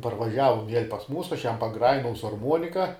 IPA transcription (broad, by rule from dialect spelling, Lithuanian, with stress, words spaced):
pɐrʋɐˈʒʲæːʋʊm ʋʲiɛlʲ pɐs ˈmuːsʊ ˈɐʃ ˈjɛm pɐˈɡrɑːjɪnɐʊ sʊ ɐrˈmuɔnʲɪkɐ